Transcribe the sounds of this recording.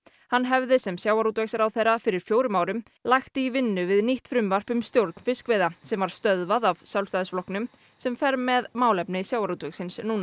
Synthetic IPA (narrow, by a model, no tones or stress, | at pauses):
hanːɦɛvðɪsɛmsjaːwaɾuːt̪vɛksaɾawθejrafɪɾɪɾ̥fjoːwɾʏmaːwɾʏm | lajxt̪ɪivɪnːʏvɪðniht̪fɾʏmvar̥pʏmst̪jowɾt̪̚n̥fɪskveːjðasɛmvaɾ̥st̪œðvaðav̥sjawlst̪aːðɪsflɔhknʏm | sɛmfɛɾmɛðmaːwlɛpnɪsjaːwaɾut̪vɛksɪnsnuːna